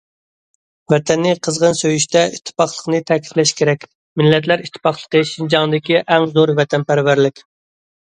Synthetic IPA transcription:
vɛt̪ʰɛnːɪqʰəzʁənsøjyʃt̪ʰɛiʃt̪ʰːɪ̥pɑχlˠəqnɨt̪ʰɛkʲʰi̥flɛʃkʲʰeɾɛkʲ | mɪlːɛt̪læɾiʃt̪ʰːɪ̥pɑχlˠə̥qəʃind͡ʒɑŋɨd̪ɪkʲiʔɛŋzoɾvɛt̪ʰɛnpæɾvæɾlɪkʲ

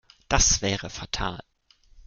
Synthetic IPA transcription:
d̥asv̥ɛːʁəfatʰa̰ːl

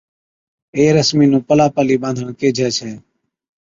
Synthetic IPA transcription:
eːɾəsmiːnũːpəlaːpaːliːɓãːnd̪ʱəɳkeːd͡ʒʱɛːt͡ʃʰɛː

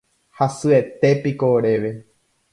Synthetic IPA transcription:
hasɨe̞t̪e̞pikoɾe̞ʋe̞

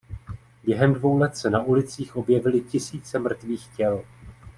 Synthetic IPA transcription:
bjɛɦɛmdvo̞wlɛt̪sɛnaʔulɪt͡siːxʔo̞bjɛvɪlɪcɪsiːt͡sɛmr̩t̪viːxcɛl

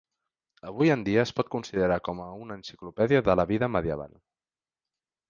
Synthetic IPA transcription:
əβ̞ujənd̪iəːspɔt̪̚kunsiðəɾakɔməunənsi̥klupɛðiəðələβiðəməðiəβa̰l

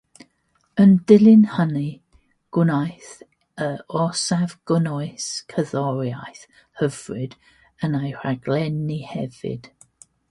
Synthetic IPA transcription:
əndɪlˠɪnhəni | ɡ̥wɪnajθ | əɔsavɡ̥ɔnɔɨskʰəðɔɾjajθ | həvrɪd | ənajr̥aɡlɛnihɛvɪ̰d̥

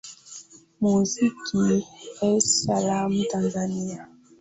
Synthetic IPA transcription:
muzikʰiɛsalamtanzania

